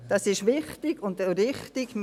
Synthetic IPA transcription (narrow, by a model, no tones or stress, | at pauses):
d̥ɑsɪʃʋɪχtɪɡʊndəɾɪχtɪɡ̥m